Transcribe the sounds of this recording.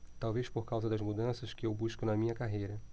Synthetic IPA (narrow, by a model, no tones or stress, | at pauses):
t̪awveʃpoɾkawzɐd̪ɐzmud̪ɐ̃sɐʃkɪewbuʃkʊnɐmĩɲɐkaɦejɾɐ